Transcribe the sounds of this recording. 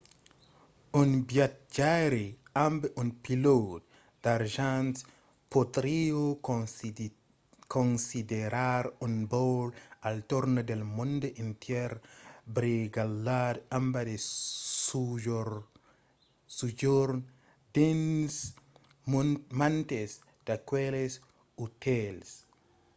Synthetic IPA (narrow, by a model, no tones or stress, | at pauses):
unbjat̪̚d͡ʒaɾiambeʔunpilot | d̥aɾʒans | pod̪ɾio | konsideɾaɾunbowlalt̪oɾnodelmundoʔintjɛɾbɾiɡaladambadesuʒoɾ | sud͡ʒoɾ | d̥ens | mant̪es | d̪̥akweles | ut̪els